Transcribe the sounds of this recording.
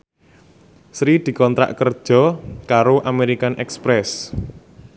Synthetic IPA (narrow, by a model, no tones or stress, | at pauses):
sɾid̪̥i̤kɔnt̪ɾa̰ʔkərd̥ʒ̥ɔ̤kaɾoʔameɾikanʔɛkspɾɛs